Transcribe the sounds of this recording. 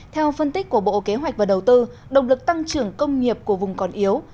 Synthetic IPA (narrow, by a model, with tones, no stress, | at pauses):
t̪ʰɛ˧wfə˧nt̪i˦˥k̚kːu˧˩əɓo̰˧˨ke˨˦ɦwa˨˩jk̟̚vaː˨˩ɗə˨˩wt̪ɨ˧ | ɗə˨˩wŋ͡mlɨ˨˩k̚t̪a˧ŋt͡ɕɨ˨˩əŋkə˧wŋ͡mŋi˨˩əp̚ku˧˩əvʊ˨˩ŋ͡mkɔ˨˩nʔi˨˦əw